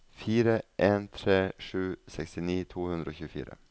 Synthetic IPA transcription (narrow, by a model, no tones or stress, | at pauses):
fiːɾəʔeːnt̪ʰɾeːʂʉːsɛkst̪ɪniːt̪ʰuːhʉnd̪ɾəoːçʉːəfḭːɾə̰